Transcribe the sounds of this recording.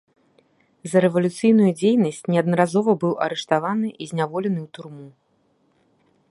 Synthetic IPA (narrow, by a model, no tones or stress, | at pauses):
zɐɾɛvɐlʲut̪sɨjn̪ujud͡zʲejnɐsʲt͡sʲnʲɛɐd̪nɐɾazɔvɐbɨwʔɐ̰ɾɛʂt̪avanɨʔizʲnʲavɔlʲɛn̪ɨwt̪urmu